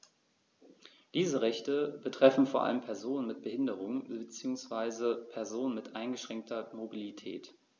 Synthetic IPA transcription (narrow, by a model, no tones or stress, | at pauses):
d̥iːzəʁɛçtəbətʁ̥ɛfn̩foːɐʔa̰ləmpʰɛɐzoːnənmɪt̚b̥əhɪndəʁ̞ʊŋbət͡siːʊŋsv̥aɪzəpʰɛɐzoːnənmɪtʔaɪnɡəʃʁ̥ɛŋk̚tʰɐmobilitʰɛ̰ːt